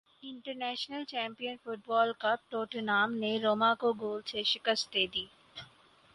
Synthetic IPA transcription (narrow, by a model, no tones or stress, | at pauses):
ɪ̃ɳʈəɾnɛːʃnəlt͡ʃɛ̃ːmpijənfʊʈ̚bɔːlkɐb̚ʈoːʈnaːmneɾoːmakoɡoːlseʃɪkəst̪̚d̪eːd̪iː